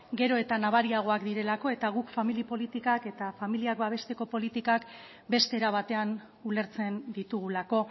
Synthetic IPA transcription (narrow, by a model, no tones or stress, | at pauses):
ɡe̞ɾo̞e̞t̪anaβ̞aɾiaɣ̞o̞akd̪iɾe̞lako̞e̞t̪aɣ̞ukfamilipo̞lit̪ikake̞t̪afamiliakbaβ̞e̞st̪e̞ko̞po̞lit̪ikak | be̞st̪e̞ːɾaβ̞at̪e̞an | ule̞ɾt͡se̞nd̪it̪uɣ̞ulako̞